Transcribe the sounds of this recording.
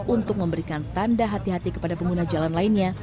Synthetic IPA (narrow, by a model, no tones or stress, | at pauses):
ʔunt̪ʊk̚məmbəɾikant̪andaɦat̪iɦat̪ikə̥padapəŋɡunad͡ʒalanlainɲa